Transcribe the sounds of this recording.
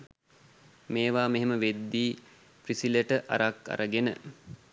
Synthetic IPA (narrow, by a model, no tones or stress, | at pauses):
meːʋaːmeɦeməʋed̪ːiː | prisiləʈəʔa̰ɾakːa̰ɾʔəɡenə̰